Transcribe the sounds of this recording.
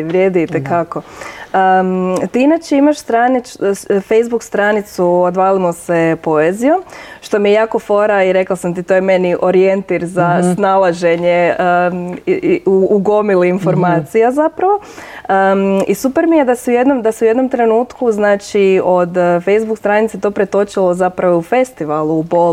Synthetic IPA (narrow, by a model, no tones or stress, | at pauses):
ʋɾʲjeːd̪it̪ekako̞ət̪iinat͡ʃeimaʃst̪ɾanifejzbukst̪ɾanit̪suod̪ʋaːlimosepo̞ezijomʃt̪o̞mijejaːko̞fo̞ɾaiɾe̞klasamt̪it̪o̞jeme̞niʔo̞ɾijent̪iɾzasnalˠaʒe̞ɲe | uɡomiliːnfo̞ɾmaːt̪sijazapɾaʋo̞ | isupeɾmijed̪asiujed̪no̞md̪asiuje̞d̪nomt̪ɾe̞nuːt̪kuznaːt͡ʃiod̪fe̞jzbukst̪ɾanit̪set̪o̞pɾet̪o̞t͡ʃilˠo̞zapɾaʋoufe̞st̪iʋalˠuːbol